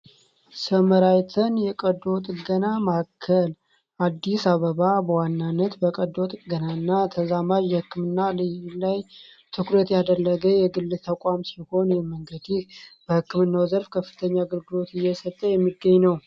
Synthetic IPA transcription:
səməɾajt̪ʰənjɛkʼəd̪o̞t̪ʼɡənamakʰːəl | ʔad̪ːisaβəβabəwanːanːət̪bəkʼəd̪ot̪ʼɡənaɨnːat̪ʰəzamaʒjɛhɨkːɨmɨnːalɨjlajt̪ʰɨkɾət̪jad̪əlːəɡəjɛɡɨlːɨt̪ʰəkʼamsiho̞njɛməŋɡəd̪ib̥əhɨkːɨmɨnːawzəɾfkʰəfːɨ̥t̪ʰəɲːaɡəlɡɨlo̞t̪ɪjːɛsət̪ʼːəjɛmːiɡːəɲːnəw

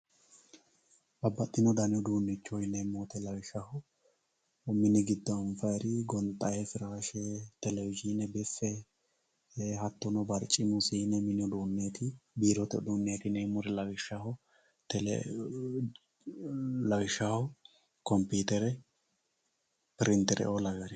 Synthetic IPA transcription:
ɐbːɐt̪ʼːɪnɔd̪ɐnɪɔd̪uːnːɪt͡ʃːɔjɪnemːoːt̪ɛlɐwɪʃɐhɔ | mɪnɪɡɪd̪ːɔnfɐɛɾɪɡɔnt̪ʼɐjɛfɪɾaːʃɛt̪ɛlɛwɪd͡ʒinɛbɛfːɛ | ɦɐt̪ːɔnɔbɐɾt͡ʃʼːɪmʊsinɛmɪnɪɔd̪uːnːeːt̪ɪbiːɾɔt̪ɛd̪uːnːeːt̪ɪnemɔɾɛlɐwɪʃɐhɔ | t̪ɛl̰ | lɐwɪʃahɔ | kɔmpiːt̪ɛɾɛ | pɪɾɪnt̪ːɛɾɛ̰ʔolɐwɛɾɪ

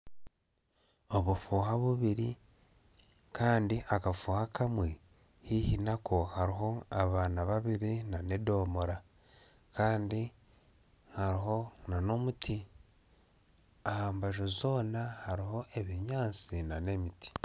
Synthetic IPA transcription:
oβufuːhaβuβiɾi | kʰaːndiʔakafuːhakʰamwe | hihinakʰohaɾiɦo̞aβaːnaβaβiɾinane̞do̞ːmoɾa | kaːndi | haɾiɦo̞nano̞mutʰi | ahaːmbaʒozo̞ːnahaɾiɦo̞ʔe̞βiɲaːnt͡sinane̞mitʰi̥

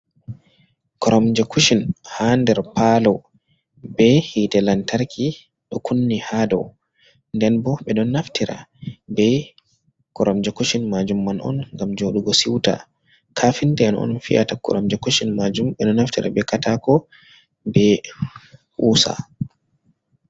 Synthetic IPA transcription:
kɔɾʔɔmd͡ʒɛkʰuʃinhandɛɾpalɔ | bɛhitɛlantaɾkʰi | ɗɔkʰunːihadɔ̰w | ndɛnbɔɓɛɗɔnːaftiɾa̰bɛ | kɔɾɔmd͡ʒɛkuʃinmad͡ʒumːanʔɔ̰nŋɡamd͡ʒoɗuɡɔsiwta̰ | kʰafindɛanɔ̰nfiʔa̰takɔ̰ɾɔmd͡ʒɛkuʃinmad͡ʒumɓɛɗɔnaftiɾa̰bɛkatakɔ | bɛ | ʔuːsa̰

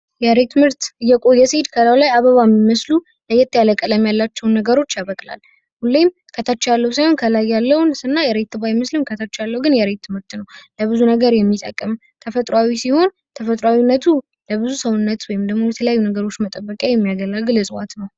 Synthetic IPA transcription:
jɛɾet̪ʰːɨmɨɾt̪ɨjːɛkʼojɛsed̪kʰəlawlajaβəβamːiməslu | ləjːɛt̪ʼːjaləkʼələmjalːat͡ʃːɛwnːəɡəɾo̞t͡ʃːjaβəkʼla̰l | hulːejm | kʰət̪ʰat͡ʃːjalːəwusajho̞nkʰəlajːalːəwnsɨnːajɛɾet̪ʰːɨbajmɨslɨmkʰət̪ʰat͡ʃːjalːəwɡɨnjɛɾet̪ʰːɨmɨɾt̪nəwləβɨzunəɡəɾjɛmːit̪ʼə̰kʼːəm | t̪ʰəfət̪ʼɾwawisiho̞n | t̪ʰəfət̪ʼɾawinːət̪ʰu | ləβɨzusəwʊnːət̪wɔjɪmd̪əɡmojɛt̪ʰələjajːunəɡəɾo̞t͡ʃːmət̪ʼəbːəkʼjajɛmːijaɡəlalɡɨlɨsʼwat̪nəw

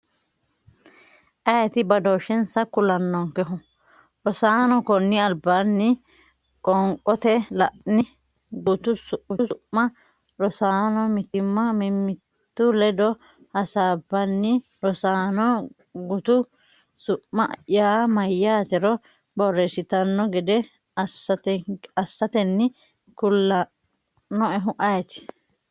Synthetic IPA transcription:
ʔɐjɐt̪ɪbɐd̪oʃɛnsɐkʊlɐnːɔŋkɛɦʊ | ɾɔsaːnɔkɔnːɪɐlbːanːɪ | kʼɔŋkʼɔt̪ɛlɐʔnɪ | ɡʊt̪ʊsʊʔʊʔːɐ | ɾɔsaːnɔmɪt̪ɪmːɐmɪmːɪt̪ːʊlɛd̪ɔ | hɐsaːbːɐnːɪ | ɾɔsaːnɔ | ɡʊt̪ʊ | sʊʔmɐʔʔjaːmɐjːaːt̪ɛɾɔ | bɔrːɛsɪt̪ɐnːɔɡɪd̪ɛ | ɐsːɐt̪ɛɐsːɐt̪ɛnːɪ | kʊlːɐ | nɔɛɦʊʔɐjɛt̪ɪ̥

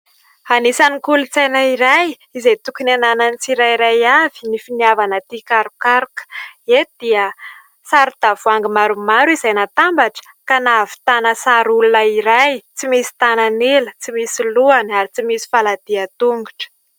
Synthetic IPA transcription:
anisanikulut͡sajnəiɾaj | izejt̪ukinanananit͡siɾajɾajav̥i̥nifinavanət̪ikaɾukaɾukə̥ed̪̥iə | saɾud̪̥avuaŋɡimaɾumaɾuizajnat̪ambaʈ͡ʂə̥ | kanavi̥t̪anəsaɾulunəiɾajt͡simisi̥t̪ananelət͡simisiluanaɾit͡simisi̥falad̪̥iat̪uŋɡuʈ͡ʂə̥

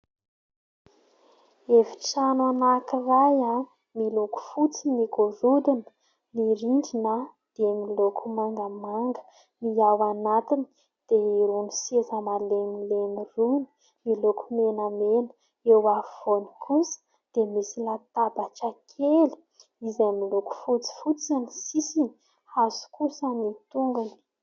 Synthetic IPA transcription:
evi̥ʈ͡ʂananakirajan | miloku̥fut͡siniɡoɾud̪inə̥ | niɾiɳɖ͡ʐinə | d̪̥emilokʰumaŋɡamaŋɡə̥ | niawanat̪ini | d̪̥eiɾunisezəmalemileniruni̥ | milokʰumenamenə̥ | ewav̥oni̥kʰusə̥ | d̪̥emisilat̪abat͡ʃakʰeli̥ | izamiloku̥fut͡si̥fut͡sanisisini | haz̥u̥kusənit̪uŋɡuni̥

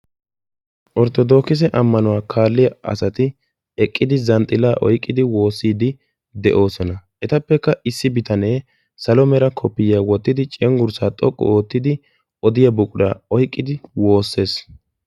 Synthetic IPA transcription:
ʔɔɾt̪ɔd̪o̞ːkɪs̬ɛʔɐmːɐnʊwaːkʰaːlːɪjɐɐ̰sɐt̪ɪ | ɛkʼːɪd̪ɪzɐnt̪ʼɪlaːʔɔjkʼːɪd̪ɪwo̞ːsːiːd̪ɪ | d̪ɛʔo̞ːsɔnɐʔɛt̪ɐpːɛkːɐɪsːɪbɪt̪ʰɐne̞ː | sɐlɔmɛɾɐkʰɔpːɪjaːwɔt̪ːɪd̪ɪt͡ʃʼɛŋɡʊɾsaːt̪ʼɔkʼːɔ̰oːt̪ːɪd̪ɪ | ɔd̪ɪjɐbʊkʼʊɾa̰ːɔjkʼːɪd̪ɪwo̞ːsːe̞ːs

